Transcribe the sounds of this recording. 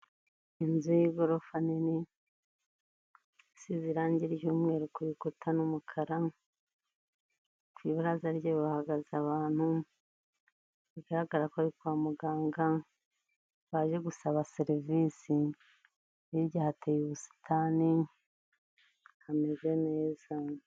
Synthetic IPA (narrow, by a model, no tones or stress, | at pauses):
inzujiɡoɾofanini | siziɾaːɲɟiɾjuːmŋe̞ːɾukuɾikotʰanumukʰaɾa | kwiːβaɾazaɾɟeβiβahaɡazaβaːn̥hu | βiɡaɾaɡaɾakoaɾikwaːmuɡaːŋɡa | βaːʒe̞ɡusaβaseɾivisi | iβɟaːhatʰejuβusi̥tʰani | hameze̞ne̞ːza